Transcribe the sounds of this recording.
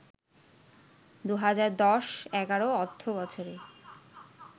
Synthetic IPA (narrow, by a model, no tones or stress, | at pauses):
d̪uɦad͡ʑaɾd̪ɔʃɛɡaɾoɔt̪ʰːobɔt͡ɕʰoɾe